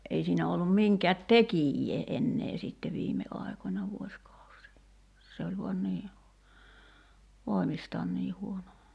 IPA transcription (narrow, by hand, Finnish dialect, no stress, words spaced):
ʔei siːnæ olːum miŋkɛæt tekijːeː enːeː sitːe ʋiːme ɑˑi̞konʲɑ ʋuoskɑusiː se olʲ ʋuɑn niː ʋoˑi̞mistɑːn niː huono